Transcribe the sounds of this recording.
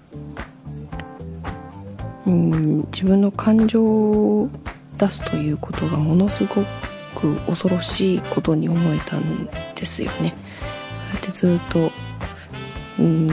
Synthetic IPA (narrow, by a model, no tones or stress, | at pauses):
ɯ̃d͡ʑibɯ̟̃nːo̞kʰãɲ̟d͡ʑo̞ː | d̪̥asɨ̥t̪ʰo̞jɯ̟ːko̞t̪o̞ɡamo̞no̞sɨɡo̞ | kɯ̟ʔo̞so̞ɾo̞ɕiːko̞t̪o̞ɲ̟io̞mo̞e̞t̪ãnd̪̥e̞sɨ̰jo̞̰ne̞ | so̞jat̪ːe̞zɨːt̪ːo̞ | ɯ̟̃